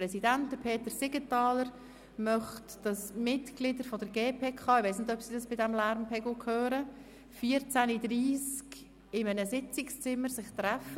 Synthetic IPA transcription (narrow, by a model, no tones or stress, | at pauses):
ɾɛsidæntd̥əpʰeːtəɾsɪɡətɑːləɾ | mœχtd̥ɑsmɪtklɪdəɾfɔdəɾɡeːpʰeːkʰɑːɪʋaɪsnɪdœpsidɑsb̥ɪdɛmlæɾmpʰɛɡʊkʰhøːɾə | fiːəɾt͡sænidɾiːsk | ɪmənəsɪt͡sɪkst͡sɪmːəɾsɪχt̪ræfə